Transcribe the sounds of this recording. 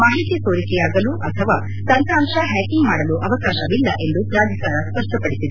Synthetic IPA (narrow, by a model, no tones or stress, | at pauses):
maːɦit̪jɐsoːɾikɛjaːɡɐluʔɐt̪ʰɐʋaː | t̪ɐnt̪ʰaːmʂɐɦɛːkiŋɡmaːɽɐluʔɐʋɐkaːʃɐʋilːɐ̰ʔe̞nd̪upɾaːd̪ʱɐsaːɾɐspɐɾʂʈɐpɐɽisid̪e